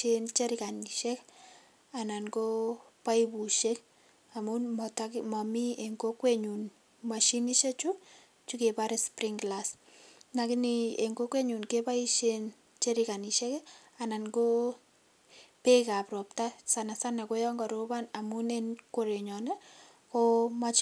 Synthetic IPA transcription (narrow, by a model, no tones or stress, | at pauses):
ent͡ʃeɾikaniʃɛk | ananɡo | paibuʃek | amunmɔtakmɔmieŋɡokweɲun | maʃiniʃet͡ʃu | t͡ʃukepaɾespriŋɡlas | nakinieŋɡokweɲunkepaiʃen | t͡ʃeɾikaniʃɛk | ananɡo | pekapɾɔp̚tasanasanakojɔŋɡɔɾobanamunenkoɾeɲɔnɛ | komat͡ʃ